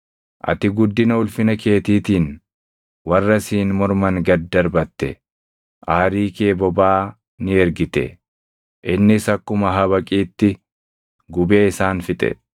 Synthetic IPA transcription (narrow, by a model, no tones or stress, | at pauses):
ʔɐ̰t̪ɪɡʊd̪ːɪnɐʊlfɪnɐke̞ːt̪iːt̪iːn | wɐrːɐsiːnmɔɾmɐŋɡɐd̪ːɐɾbɐt̪ːɛ | ʔaːɾiːkeːbɔbaː | nɪɛɾɡɪt̪ɛ̰ | ʔɪnːɪsɐkːʊmɐɦɐβɐkʼiːt̪ːɪ | ɡʊbe̞ːɪsaːnfɪt̪ʼɛ̰